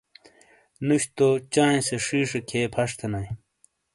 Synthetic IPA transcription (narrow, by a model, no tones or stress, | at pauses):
nuɕt̪ot͡ɕaːẽseʂiːʂekʰeːpʰɐʂt̪ʰenɐj̃